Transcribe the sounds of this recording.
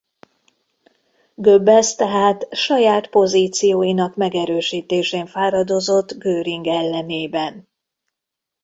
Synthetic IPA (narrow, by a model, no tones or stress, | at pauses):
ɡøbɛst̪ɛɦaːt̪ʃɒjaːt̪po̞ziːt̪sijoːjinɒkmɛɡɛɾøːʃiːt̪eːʃeːɱfaːɾɒd̪o̞zo̞t̪ːɡøːɾiŋɡɛlːɛneːbɛn